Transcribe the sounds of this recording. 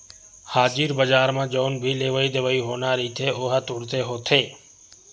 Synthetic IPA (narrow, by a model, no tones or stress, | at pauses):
haːd͡ʒiːɾbəd͡ʒaːɾmãːd͡ʒoːnbʱiːleːʋəiːd̪eʋəiːɦoːnaːɾiːt̪ʰeːoɦat̪ʊɽt̪eːɦoːt̪ʰeː